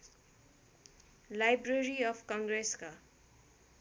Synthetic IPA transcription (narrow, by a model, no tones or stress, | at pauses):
lajbɾeɾiʌpʰkʌ̃ŋɡɾeska